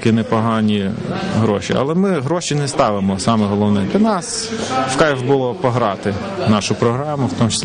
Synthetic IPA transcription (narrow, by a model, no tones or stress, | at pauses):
kɪnɛpɔɦɑnʲiɦɾɔʃḭɐ̰lˠɛmɪɦɾɔʃinɛst̪ɑʋɪmɔsɑmɛɦɔlˠɔwnɪmd̪ʲɐnɑs | fkɑjʒbʊlˠɔpɔɦɾɑt̪ɪ | nɑʃʊpɾɔɦɾɑmʊwt̪ɔmt͡ʃe̥sʲ